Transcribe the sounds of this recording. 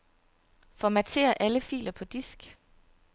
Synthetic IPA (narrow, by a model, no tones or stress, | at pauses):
fɒmæt͡sʰe̝̰ːɐʔæləfḭːlɐpʰɒ̽d̥isɡ̥